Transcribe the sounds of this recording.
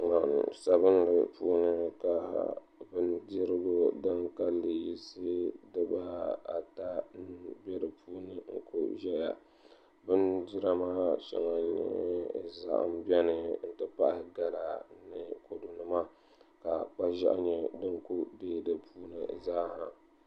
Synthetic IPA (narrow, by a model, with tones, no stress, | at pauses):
ŋa˨sa˨bɨ˦n˦ɾɨ̰˨pṵː˦nɨ˦ka˨ | bɨ˦ndi˦ɾɨ˦ɡo˦dɨ˦ŋka˦lːɨ˨ji˦sɨ˦dɨ˦ba˦a̰˨ta˦n˦bɛ˦ɾɨ˨pʰuː˦nɨ˨ŋ̩˦ko̰˦ʒɛ˦ja̰˨ | bɨ˦ndi˦ɾa˦maː˦ʃɛ̰˨ŋa˨ɲɛ̰˦za̰˨ʔa̰˦˨m˦bɛ˦nɨ˨n̩˦tɨ˦pa˦˨ʔa˨ɡa˦la˨nɨ˨ko˨du˨nɨ˨ma˦ | ka˨k͡pa˦ʒa̰˦ʔɲɛ˦dɨ˦ŋku˦beː˦dɨ˨puː˦nɨ̰˨zaː˦ha̰˨